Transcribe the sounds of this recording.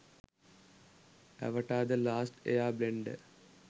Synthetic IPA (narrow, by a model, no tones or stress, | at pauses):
ɐ̰ʋɐʈːaːd̪ɐlaːsʈḛjaːbleɳɖɨ